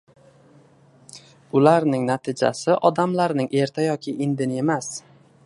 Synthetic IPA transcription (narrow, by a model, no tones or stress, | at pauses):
ʊlaɾnɪŋnat̪ʰɪd͡ʒa̰sɪʔɒd̪amlaɾnɪŋʔe̞ɾt̪ʰajɒkʲʰɪʔɪnd̪ɪnɪe̞mas